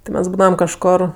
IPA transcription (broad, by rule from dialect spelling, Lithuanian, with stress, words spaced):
tʲɪ ˈmʲɛs ˈbuːdɐʋɐm kɐʃˈkoːr